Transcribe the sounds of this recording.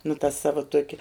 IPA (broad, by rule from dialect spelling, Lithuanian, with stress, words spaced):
nʊ tɐ ˈsɑːʋɐ ˈtuɔkʲɛ